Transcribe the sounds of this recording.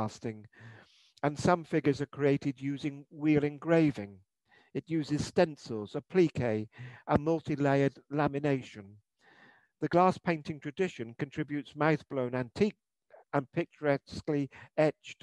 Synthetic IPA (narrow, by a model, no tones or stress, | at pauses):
stɪ̃ŋ | ə̃nsʌ̃ɱfɪɡə˞zəkʰɹ̥ieɪɾɨdjʉzɪ̃ŋwilˠɪ̃ŋɡɹeɪvɪ̃ŋ | ɨt̚jʉzɨz̥stɛ̃nsəl̩ˠz̥əpʰl̥ikʰeɪʔə̃nmʌlˠtʰileɪədlæmɨneɪʃɨ̃n | ðɨɡlæspʰẽɪ̃ntɪ̃ŋtʰɹ̥ɨdɪʃɨ̃nkɨ̃ntʰɹ̥ɪbjʉtsmaʊθb̥lõʊ̃næ̃ntʰik̚ | ə̃npʰɪk̚t͡ʃə˞ɛskliɛt͡ʃt